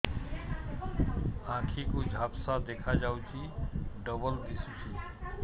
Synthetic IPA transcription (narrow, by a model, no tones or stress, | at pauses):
ãkʰikud͡ʒʱapsad̪ekʰad͡ʒawt͡ʃʰiɖəbəld̪isut͡ʃʰi